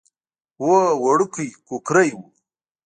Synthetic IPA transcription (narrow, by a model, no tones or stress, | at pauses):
wowɐɽukʰujkukɾɐjwu